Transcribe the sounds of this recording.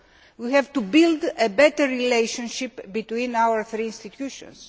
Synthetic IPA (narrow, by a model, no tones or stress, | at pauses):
wihɛvt̪ubild̪ebɛt̪əɾːilejʃõnʃipbit̪wĩnawəɾθɾiinst̪it̪juʃõ̰ns